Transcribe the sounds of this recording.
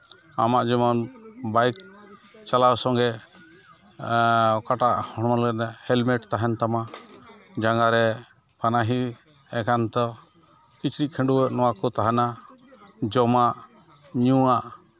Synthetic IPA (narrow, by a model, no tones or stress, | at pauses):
amaʔd͡ʒimɔnbajk̚t͡ʃalawsɔŋɡɛ | kaʈaʔhɔɽ̃ɔlɛɡɛt̪ahɛlmɛʈt̪aɦɛnt̪ama | d͡ʒaŋɡaɾɛ | panaɦi | ɛkant̪ɔ | kit͡ʃɾikʰɛɳɖuwəʔnɔwakɔt̪aɦana | d͡ʒɔmaʔ | ɲuaʔ